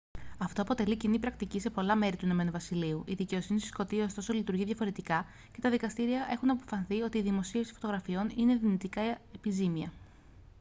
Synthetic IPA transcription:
ɐft̪o̞ɐpo̞t̪e̞licinipɾɐkt̪icise̞po̞lɐme̞ɾit̪uino̞me̞nuvɐsiliuʔiðice̞o̞sinist̪isko̞t̪iɐsost̪o̞so̞lit̪uɾʝiðʝɐfo̞ɾe̞t̪ikɐ | ce̞t̪ɐðikɐst̪iɾiɐʔe̞xunɐpo̞fɐnθio̞t̪iːðimo̞siefsi̥fo̞t̪oɣɾɐfio̞nine̞ðinit̪ikɐepizimiɐ

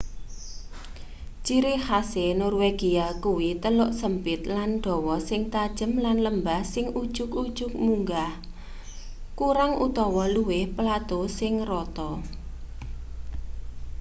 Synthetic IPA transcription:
t͡ʃiɾɪhasenɔrweɡ̥iakuwit̪əlʊʔsəmpɪt̪̚lanɖ̪̥ɔ̤wɔsɪŋt̪ad̥ʒ̥ə̤mlanləmbahsɪŋud̥ʒ̥ʊkud̥ʒ̥ʊk̚muŋɡah | kuɾaŋʔṵt̪ɔwɔluwɪhpəlat̪osɪŋrɔt̪ɔ

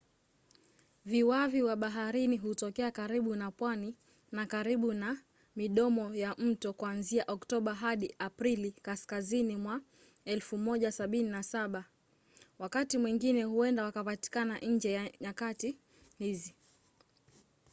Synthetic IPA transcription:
viwaviwaɓaɦaɾiniɦutɔkɛakaɾiɓunapwani | nakaɾiɓuna | miɗɔmɔjam̩tɔkuanziaʔɔktɔɓaɦaɗiʔapɾilikaskazinimwa | ɛlfumɔʄasaɓininasaɓa | wakatimwiŋɡinɛhuɛndawakapati̥kanaʔɲ̩d͡ʒɛjaɲakati | hizi

